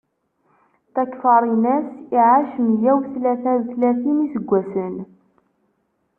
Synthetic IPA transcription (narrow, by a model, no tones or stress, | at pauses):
θækːfɑɾˤinæsiʕaʃəmjæwθlæθæðθlæθinisəɡʷːæsən